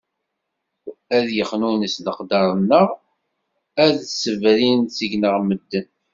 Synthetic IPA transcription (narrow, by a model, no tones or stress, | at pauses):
æðjəχnunəsləqd̪ɑɾˤənːəʁ | æðsəvɾint͡səʝnəʁməd̪ːən